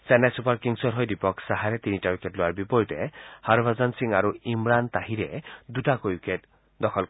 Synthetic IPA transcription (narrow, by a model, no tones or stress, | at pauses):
senajsupaɾkiŋsɔɾɦɔjd̪ipɔksaɦaɾet̪iniʈaukeʈloaɾbipɔɾit̪ehaɾbʱazansiŋaɾuimɾant̪aɦiɾed̪uʈakojuket | d̪ɔkʰɔl